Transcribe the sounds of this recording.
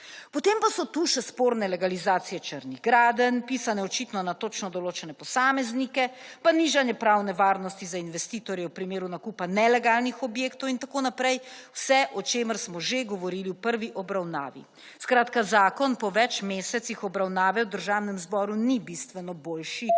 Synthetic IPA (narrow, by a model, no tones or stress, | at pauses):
pɔt̪eːmpasɔt̪uʃɛspoːɾnɛlɛɡalizaːt̪sijɛt͡ʃəɾniɣɡɾaːd̪ənpiːsanɛɔt͡ʃit̪nɔnat̪ot͡ʃnɔd̪ɔloːt͡ʃɛnɛpɔsaːmɛznikɛpaniːʒanjɛpɾaːwnɛʋaːɾnɔst̪izainʋɛst̪iːt̪ɔɾjɛwpɾimeːɾunakupanɛlɛɡaːlnixɔbjeːkt̪ɔwint̪akoːnapɾɛjwsɛʔɔt͡ʃeːməɾsmɔʒeɡɔʋɔɾiːliwpəɾʋiʔɔbɾawna̰ːʋḭ | skɾaːt̪kazaːkɔnpɔʋɛt͡ʃmeːsɛt̪sixɔbɾawnaːʋɛwd̪əɾʒaːwnɛmzbɔːɾunibist̪ʋɛnɔboːlʃi